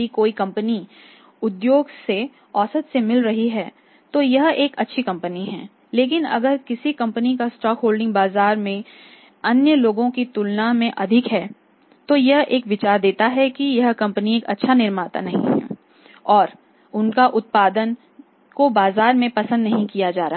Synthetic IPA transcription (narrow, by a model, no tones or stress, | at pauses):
ikoːikɐ̃mpəni | ʊd̪joːɡse | ɔːsət̪semɪlɾɐɦiɦɛː | t̪ojɐɦeːkɐtːʃʰikɐ̃mpəniɦɛ̃ː | leːk̬ɪnɐ̰ɡəɾkɪsikɐ̃mpənikasʈɔːkɦoːlɖɪ̃ŋɡbaːzaːɾmẽ | ɐnjəloːɡõkit̪ʊlnamẽʔɐd̪ʱɪkɦɛː | t̪ojɐɦeːkʋɪt͡ʃaːɾd̪eːt̪aɦɛkijɐɦkɐ̃mpənieːkɐtːʃʰanɪɾmaːt̪a̰nɐɦḭ̃ɦɛ̰ː | ɔːɾ | ʊnkaʔʊt̪̚paːd̪ən | kobaːzaːɾmẽpɐsə̃nd̪nɐɦĩkijad͡ʒaːɾa